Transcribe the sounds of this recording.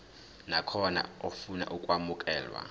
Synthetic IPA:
nakʰɔna̰ofuna̰ʔukʼwamukʼɛːlwa̰

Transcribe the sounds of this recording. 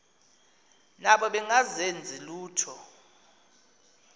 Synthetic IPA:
naɓɔɓɛŋazend͡zʱiluːtʰɔ

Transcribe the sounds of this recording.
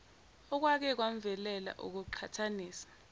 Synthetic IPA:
ɔk̬wak̬ɛk̬waɱ̩vɛlɛla̰ʔṵk̬uǃʰatʰaniːsḁ

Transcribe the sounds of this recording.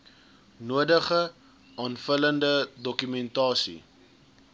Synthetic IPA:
nuədəχə | ɑːnfələndədɔkymɛntɑːsḭ

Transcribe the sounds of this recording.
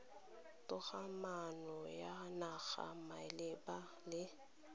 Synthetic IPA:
tʼʊɣamanɔjanaɣa̰maɪlɪba | lɪ

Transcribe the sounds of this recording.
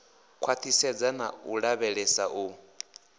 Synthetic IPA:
kʰwat̪ʰisɛd͡zana̰uɺaβɛɺɛsaʔu

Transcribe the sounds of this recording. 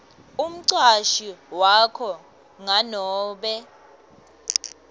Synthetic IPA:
um̩ǀaʃiwakʰɔ | ŋanɔːɓɛ

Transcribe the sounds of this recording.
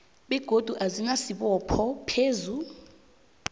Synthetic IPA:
ɓɛɡ̥ʱod̥ʱuʔazinasiɓɔpʰɔpʰeːzu

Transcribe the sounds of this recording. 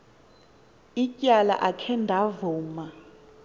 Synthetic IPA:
icʼjala̰ʔakʰɛndʱavuːma

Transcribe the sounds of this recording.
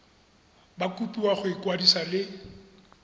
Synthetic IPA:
bakʼupʼiwaχʊikʼwadisalɪ

